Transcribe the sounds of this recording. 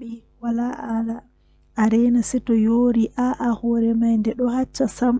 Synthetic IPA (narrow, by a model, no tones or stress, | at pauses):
i | walaʔala | ʔːɾɛnasitɔjoːɾiʔaʔahɔɾɛmajndɛɗɔhat͡ʃːasam